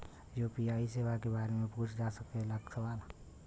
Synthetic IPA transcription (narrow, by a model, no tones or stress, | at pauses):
joːpiaːiseʋakebaːɾemẽpuːt͡ʃʰd͡ʒasək̪̚eləksəbaːl